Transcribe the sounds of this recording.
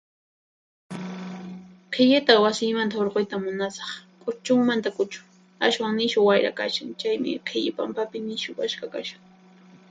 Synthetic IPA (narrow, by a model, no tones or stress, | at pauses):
qʰɪʎɪt̪awasɪjmant̪aoɾqojt̪amʊnasɑ̥χkʼʊt͡ʃʊŋmant̪akʊt͡ʃʊ̥ | aʃwaŋnɪʃʊwajɾa̰ka̰ʃaŋt͡ʃajmɪ̰qʰɪʎɪpampapɪnɪʃʊkaʃkakaʃaŋ